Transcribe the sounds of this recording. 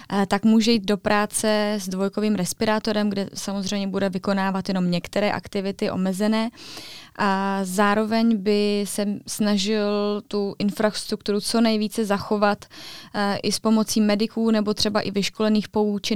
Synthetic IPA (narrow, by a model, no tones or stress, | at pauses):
t̪akmuːʒɛjiːt̪̚do̞pɾʔaːt͡sɛzdvo̞jkoviːmɾɛspɪɾaːt̪o̞ɾɛmɡdɛsamozr̝ɛjmɲɛbudɛvɪko̞naːvat̪jɛno̞mɲɛkt̪ɛɾɛːʔa̰kt̪ɪvɪt̪ɪʔo̞̰mɛzɛnɛːʔazaːɾo̞vɛɲbɪsɛsnaʒɪlt̪uʔɪnfɾast̪ɾukt̪uɾut͡so̞nɛjviːt͡sɛzaxo̞vat̪ | ʔɪspo̞mo̞t͡siːmɛdɪkuːnɛbo̞t̪r̥ɛbaʔɪvɪʃko̞lɛniːxpo̞uːt͡ʃɪ